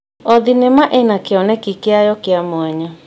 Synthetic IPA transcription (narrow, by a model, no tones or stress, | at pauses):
ɔðinɛmaʔenakeɔnɛkikeajɔkeamoɛɲɔ